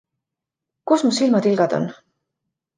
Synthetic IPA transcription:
kusmusilmɑt̪ilɡ̥ɑd̪̥o̞̰n

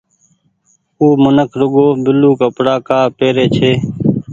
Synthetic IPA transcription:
uːmʊnəkʰɾʊɡoːbɪluːkəpɽaːkaːpeːɾeːt͡ʃʰeː

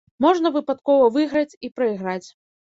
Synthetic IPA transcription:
mɔʐnɐvɨpat̪kɔvɐvɨɣɾɐt͡sʲipɾɐiɣɾat͡sʲ

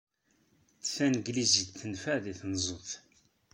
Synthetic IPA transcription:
t͡sːθænɡliziθːənfæðiθnzˤoθ

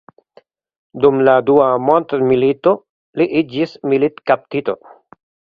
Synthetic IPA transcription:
dumladuamontmilito̞ | liʔid͡ʒismilitkap̚tito̞̰

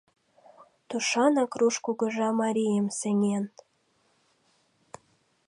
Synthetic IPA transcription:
t̪uʃɑnɑkruʃkuɡɤ̆ʒɑmɑɾʲijəmsenʲen

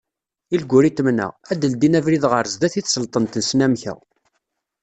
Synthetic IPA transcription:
ilɡʷːʊɾit̪ːmnə̰ʁæd̪əld̪inævɾiðʁəɾzd̪æθiθsəlt̪ˤənt̪ənsnæmçə̰ʁ

